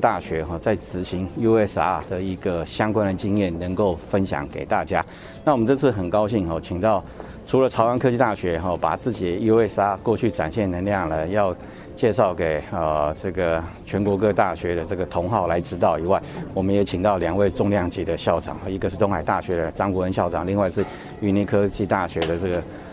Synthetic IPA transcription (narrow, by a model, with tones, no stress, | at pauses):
t̪a˥˩ɕɥɛ˧˥xɔ˥˩t͡sa˥˩ɪt͡sɹ̩˨˩ɕi˧˥ŋi˥e˥˩sa̰˥˨˩d̪ə˨i˧˥ɡə˧ɕjɑ˥ŋkwa˥nd̪ə˨t͡ɕi˥ŋjɛ˥˩nnə˧˥ŋko˥˩ʊfə˦˥nɕjɑ̰˨˩ŋkḛ˨˩ɪt̪a˥˩t͡ɕja˥ | na˥˩wɔ˨˩mə˦nt͡sɤ˥˧t͡sʰɹ̩˥˩xə˨˩nkɑ˥ʊɕi˥˩ŋxɔ˥˩t͡ɕʰi˨˩ŋt̪ɑ˥˩ʊ | ʈ͡ʂʰu˧˥lə˨t͡sʰɑ˧˥ʊwa˧˥nkʰɤ˥t͡ɕi˥˧t̪a˥˩ɕɥɛ˧˥xɔ˥˩pa̰˨˩t͡sɹ̩˥˩t͡ɕi˨˩˦i˥we˥˩sa˥˩kwɔ˥˧t͡ɕʰy˥˩ʈ͡ʂa̰˨˩nɕjɛ˥˩nə˧˥nljɑ˥˩ŋlə˩jɑ˥˧ʊ | t͡ɕjɛ˥˧ʂɑ˥˩ʊke˨˩ɪə˧ʈ͡ʂɤ˥˩ɡə˩t͡ɕʰɥɛ˧˥nkwɔ˧˥k̬ɤ˥˧t̪a˥˩ɕɥɛ˧˥d̪ə˨ʈ͡ʂɤ˥˩ɡə˩t̪ʰʊ˧˥ŋxɑ˥˩ʊla˧˥ɪʈ͡ʂɻ̩˥t̪ɑ˥˩ʊi˨˩wa˥˩ɪwɔ˨˩mə˦njɛ˧˥t͡ɕʰi˨˩ŋt̪ɑ˥˩ʊljɑ˨˩ŋwe˥˧ɪʈ͡ʂʊ˥˧ŋljɑ˥˧ŋt͡ɕi˧˥d̪ə˧ɕjɑ˥˩ʊʈ͡ʂɑ̰˨˩ŋxɔ˥˩i˧˥ɡə˧ʂɻ̩˥˩t̪ʊ˥ŋxa˨˩ɪt̪a˥˩ɕɥɛ˧˥d̪ə˧ʈ͡ʂɑ˥ŋkwɔ˧˥ə˧nɕjɑ˥˩ʊʈ͡ʂɑ̰˨˩ŋli˥˧ŋwa˥˧ɪʂɻ̩˥˩ | y˧˩ni˧˥˩kʰɤ˥t͡ɕi˥˧t̪a˥˩ɕɥɛ˧˥d̪ə˨ʈ͡ʂɤ˥˩ɡə˩